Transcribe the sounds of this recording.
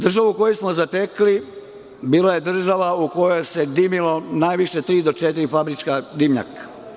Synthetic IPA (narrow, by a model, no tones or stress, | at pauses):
d̪r̩ʒaʋuuko̞jesmozat̪ekli | biːlaje̞d̪r̩ʒaʋauko̞jojse̞d̪imilo̞naːjʋiʃe̞t̪ɾiːd̪o̞t͡ʃet̪iɾifabɾit͡ʃkad̪imɲa̰kḁ